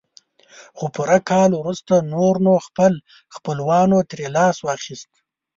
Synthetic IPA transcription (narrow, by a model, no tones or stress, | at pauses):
xopuɾakʰɑlwɾust̪anoɾnoxpəl | xpəlwɑnot̪ɾelɑswɑxist̪